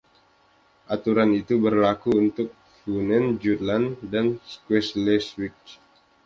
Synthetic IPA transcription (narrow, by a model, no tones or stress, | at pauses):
ʔat̪uɾanit̪ubərlakuunt̪ʊk̚ | funɛnd͡ʒut̪̚landanskwɛslɛswik̚